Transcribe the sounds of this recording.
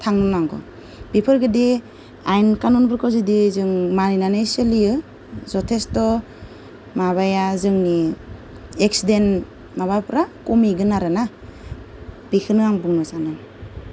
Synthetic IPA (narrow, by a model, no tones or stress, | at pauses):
tʰaŋnɯnaŋɡɔ̰ | b̥ipʰɯɾɡɯdi | ajnkanɔnbɯɾkɔzidizɯŋmaɾinanɯjsɯliɯ | zɔtʰestɔ | maβajazɯŋni | ek̚siden | maβapɾakumiɡɯnaɾɯna | b̥ikʰɯnɯaŋbuŋnɯsanɯn